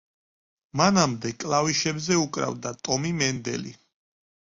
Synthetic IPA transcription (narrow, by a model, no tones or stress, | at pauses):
manamd̪ɛkʼlaviʃɛbzɛukʼɾa̰vd̪at̪ʼɔmimɛnd̪ɛ̰lḭ